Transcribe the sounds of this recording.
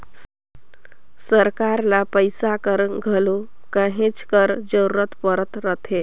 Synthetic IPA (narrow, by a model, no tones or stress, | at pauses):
səɾkaɾlapəjsakəɾɡʱəlo | kəɦẽt͡skəɾd͡ʒəɾuɾət̪pəɾət̪ɾət̪ʰe